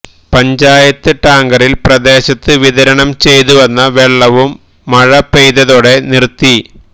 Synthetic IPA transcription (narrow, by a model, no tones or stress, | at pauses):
pɐɲd͡ʑaːjɐt̪ːɨʈaːŋɡɐrilprɐd̪e̞ːɕɐt̪ːɨʋiðɐɾɐɳɐmt͡ɕe̞jt̪uʋɐnːɐʋeɭːɐʋumː | ɐɻɐpːejðɐðoːɽe̞nirt̪ːi